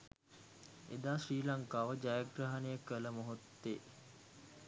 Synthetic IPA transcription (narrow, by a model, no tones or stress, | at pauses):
ḛd̪aːʃriːlaŋkaːʋəd͡ʒajaɡraɦanejəkələmoɦot̪ːe